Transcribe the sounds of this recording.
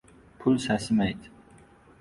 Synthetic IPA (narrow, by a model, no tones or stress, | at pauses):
pʰʊlˠsæsɪmæjd̪